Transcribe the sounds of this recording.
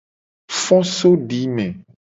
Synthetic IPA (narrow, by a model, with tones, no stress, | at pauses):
fɔ̃˦so˦ɖi˨˦mẽ˨